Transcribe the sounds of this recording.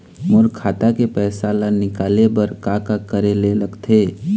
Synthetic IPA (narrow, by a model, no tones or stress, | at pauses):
mʊɾkʰaːt̪akepɛːsalanɪkaːlebəɾkaːkakəɾeleləɡt̪ʰeː